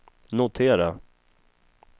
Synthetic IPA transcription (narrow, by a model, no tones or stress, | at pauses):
nʊt̪ʰeːɾa